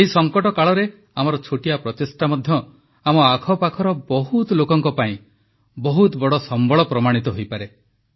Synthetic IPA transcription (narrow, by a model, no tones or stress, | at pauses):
eɦisɔŋkɔʈɔkaɭɔɾe | amɔɾɔt͡ʃʰoʈiapɾɔt̪esʈamɔd̪ʱjɔ | amɔakʰɔpakʰɔɾɔbɔɦut̪lokɔŋkɔpaĩ | bɔɦut̪bɔɽɔsɔmbɔɭɔpɾɔmaɽ̃it̪ɔɦojpaɾe